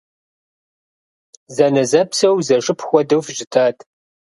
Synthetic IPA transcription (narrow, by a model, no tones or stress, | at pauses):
zɐnɐzɐpsɐwzɐʐʼɨpʰxʷɔdɨwfʒɪtʰaːtʰ